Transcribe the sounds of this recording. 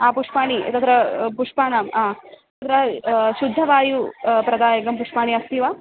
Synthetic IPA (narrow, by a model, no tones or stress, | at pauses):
aːpuʂpaːɳiɐ̰t̪ɐt̪ɾɐpuʂpaːnaːmaː | t̪ɐt̪ɾɐʃud̪ʱːɐʋaːjupɾɐd̪aːjɐɡɐmpuʂpaːɳiɐst̪iʋaː